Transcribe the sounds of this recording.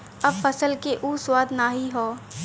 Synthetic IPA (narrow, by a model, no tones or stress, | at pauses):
ɐbfɐsəlkeʔuːswaːd̪naːɦiɦoː